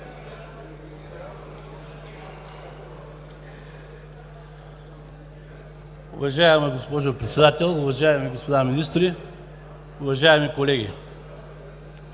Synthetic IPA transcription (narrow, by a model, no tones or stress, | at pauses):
ʊ̰vɐʒaɛmɛɡospɔʒopɾɛt̪sɛd̪at̪ʲɛlˠʊvɐʒaɛmiɡospod̪aminist̪ɾi | ʊvɐʒaɛmikolɛɡʲḭ